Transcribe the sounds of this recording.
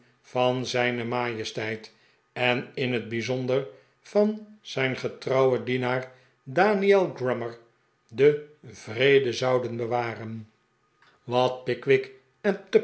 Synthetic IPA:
fɑnzɛjnəmaːjəstɛjt | ɛnɪnɦəd̚bizɔndər | fɑnz̥ɛjnχətrɑwədinaːr | daːniɛlˠɡrɛməɹ | dəvrejdəzɑwdənbəʋaːrən | ʋɑt̚pɪkʋɪk | ɛntə

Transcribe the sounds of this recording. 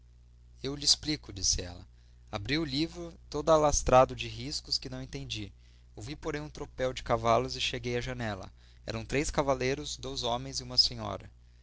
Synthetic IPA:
ewlɪːsplikʊd͡ʒisɪɛ̰lɐ̰ | abɾiʊlivɾʊt̪od̪ʊalast̪ɾad̪ʊd͡ʒɪɦiskʊskɪnɐ̃w̃ẽt̪ẽnd͡ʒi | owvipoɾẽj̃ũt̪ɾopɛwd͡ʒɪkavalʊzɪʃeɡejɐʒɐnɛlɐ̰ | ɛ̰ɾɐ̃w̃t̪ɾejskavalejɾʊzd̪ojzõmẽj̃zɪũmɐsẽɲɔ̰ɾɐ̰

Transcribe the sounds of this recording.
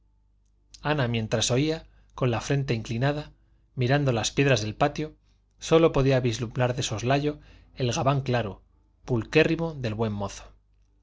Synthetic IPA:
anamje̞nt̪ɾaso̞ia | ko̞nlafɾe̞nt̪e̞iŋklinaða | miɾand̪o̞laspje̞ðɾazðe̞lpat̪jo̞ | so̞lo̞po̞ðiaβizlumnaɾðe̞so̞zlaʎo̞e̞lɣaβaŋklaɾo | pulke̞riβo̞ðe̞lβwe̞mːo̞θo̥

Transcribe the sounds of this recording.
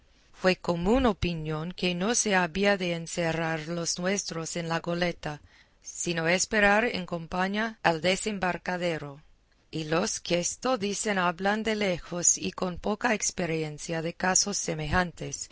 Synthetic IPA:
fwekomunopinjo̞ŋkenoseaβiaðeːnseraɾlosnwe̞st̪ɾosenlaɣole̞t̪a | sinoespeɾaɾḛŋko̞mpaɲaald̪esembaɾkaðe̞ɾo | iloskest̪oðisenaβland̪elexosikonpokaekspeɾjensjaðe̞kasosːemexant̪es

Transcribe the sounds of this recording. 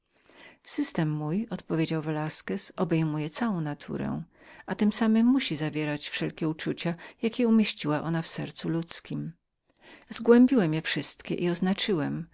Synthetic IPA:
sɘst̪ɛmːujɔt̪pɔvʲjed͡ʑawvɛlaskɛsɔbɛjmujɛt̪sawɔ̃w̃nat̪ʰṵɾɛ̰ | at̪ɘmsamɘmːuɕizavʲjɛɾat͡ɕfʂɛlkʲɛut͡ʂut͡ɕajakʲɛumʲjeɕt͡ɕiwaʔɔnafsɛɾt̪sulut̪skʲim | zɡwɛmbʲiwɛmjɛfʂɘst̪kʲɛ̰ʔiɔznat͡ʂɘwɛm

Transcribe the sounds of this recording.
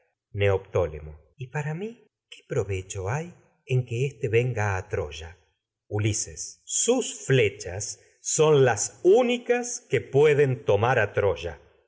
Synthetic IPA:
neopt̪o̞lḛmo | ipaɾami | ke̥pɾoβet͡ʃo̞aj | eŋkeest̪e̞βe̞ŋɡaːt̪ɾo̰ʒa | ulisesːusflet͡ʃasː | o̞nlasunikaskepweðent̪o̞maɾat̪ɾoʒa

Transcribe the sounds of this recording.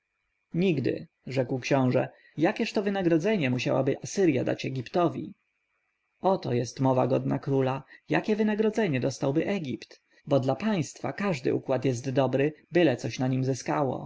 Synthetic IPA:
ɲiɡd̪ɘ̰ | ʐɛkwkɕɔ̃w̃ʐɛ̰ | jakʲɛʂt̪ɔvɘnaɡɾɔd̪zɛɲɛmuɕawa̰bɘʔasɘɾja̰d̪a̰t͡ɕɛɡʲipt̪ɔvʲḭ | ɔt̪ɔjɛst̪mɔvaɡɔd̪nakɾulajakʲɛvɘnaɡɾɔd̪zɛɲɛd̪ɔst̪awbɘʔɛɡʲipt̪ | bɔd̪lapaj̃st̪fa̰kaʐd̪ɘ̰ʔukwat̪jɛs̬t̪ːɔbɾɘbɘlɛt̪sɔɕnaɲimzɘskawɔ̰

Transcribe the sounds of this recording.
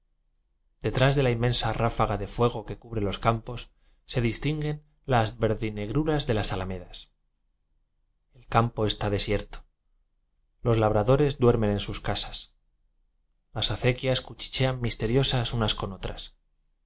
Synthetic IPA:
d̪e̞t̪ɾazðe̞laimːe̞nsarafaɣ̞aðe̞fwe̞ɣ̞o̞ke̞kuβɾe̞lo̞skampo̞sː | e̞ðist̪iŋɡe̞n | lazβe̞ɾðine̞ɣɾuɾazðe̞lasalame̞ðas | e̞lkampo̞e̞st̪að̞e̞sje̞ɾt̪o̥ | lo̞zlaβ̞ɾaðo̞ɾe̞zd̪we̞ɾme̞ne̞nsuskasḁs | lasaθe̞kjaskut͡ʃi̥t͡ʃe̞amːist̪e̞ɾjo̞sasunasko̞no̞t̪ɾas

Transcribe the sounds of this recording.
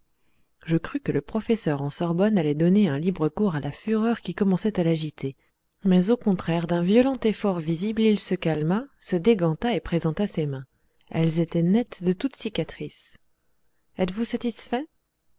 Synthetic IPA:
ʒəkχykələpχɔfɛsœʁɑ̃sɔʁbɔnalɛd̪ɔneɛ̃libʁəkuʁalafyʁœʁkʲikɔmɑ̃sɛt̪alaʒit̪ʰe | mɛzokɔ̃t̪χɛʁd̪ɛ̃vjɔlɑ̃t̪efɔʁviziblilsəkalmasəd̪eɡɑ̃t̪aepχezɑ̃t̪asemɛ̃ | ɛlzet̪ɛnɛt̪d̪ət̪ut̪sikʲat̪χis | ɛt̪vusat̪isfɛ

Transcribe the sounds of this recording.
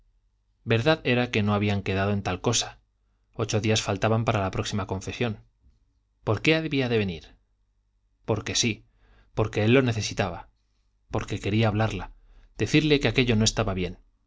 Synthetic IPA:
be̞ɾðaðe̞ɾake̞no̞aβiaŋke̞ð̞aðoent̪alko̞sḁ | o̞t͡ʃo̞ðiasfalt̪aβampaɾalapɾo̞ksimako̞ɱfe̞sjo̞n | po̞ɾke̞aðβiaðe̞βe̞niɾ | po̞ɾke̞si | po̞ɾke̞elːo̞ne̞θe̞sit̪aβa | po̞ɾke̞ke̞ɾiaːβ̞laɾla | d̪̥e̞θiɾle̞keake̞ʎo̞no̞e̞st̪aβaβje̞n

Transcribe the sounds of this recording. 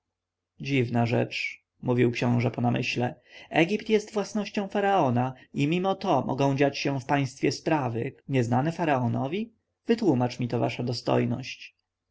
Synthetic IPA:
d͡ʑivnaʐɛ̰t͡ʂ | muvʲiwkɕɔ̃w̃ʐɛpɔnamʔɘ̰ɕlɛɛɡʲipt̪jɛst̪vwasnɔɕt͡ɕɔ̃w̃faɾaɔnaimʲimɔt̪ɔmʔɔ̰ɡɔ̃w̃d͡ʑat͡ɕɕɛ̃fpaj̃st̪fʲjɛspɾavɘɲɛznanɛfaɾaɔnɔvʲi | vɘt̪wumat͡ʂmʲit̪ɔva̰ʂad̪ɔst̪ɔ̰jnɔ̰ɕt͡ɕ

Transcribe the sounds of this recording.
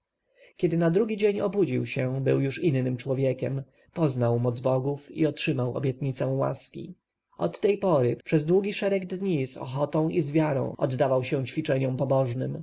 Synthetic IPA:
kʲɛd̪ɘnad̪ɾuɡʲid͡ʑeɲɔbud͡ʑiwɕɛbɘwjuʂinːɘmt͡ʂwɔvʲjekʲɛm | pɔznawmɔd̪zbɔɡufḭɔtʂɘmawɔ̰bʲjɛt̪̚ɲit̪sɛ̃wa̰skʲḭ | ɔ̰t̪ːɛjpɔɾɘpʂɛzd̪wuɡʲiʂɛɾɛɡd̪ɲisɔ̰xɔt̪ɔ̃w̃ʔizvʲjaɾɔ̰̃w̃ɔ̰d̪ːavawɕɛ̃t͡ɕfʲit͡ʂɛɲɔmpɔbɔʐnɘm

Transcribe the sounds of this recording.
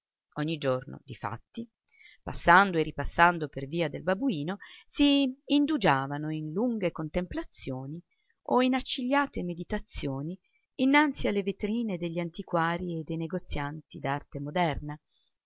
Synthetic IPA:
oɲːid͡ʒorno̰d̪ifa̰t̪ːi | pasːand̪oerːipasːand̪operviːad̪elbabuiːnosiːnd̪ud͡ʒaːvanoinluŋɡekont̪emplat̪sːjoːni | ʔoinat͡ʃːiʎːaːt̪emed̪it̪at̪sːjoːni | inːant̪sialːevet̪ɾiːned̪eʎːant̪ikwaːɾied̪ːejneɡot̪sːjant̪id̪art̪emod̪ɛrna

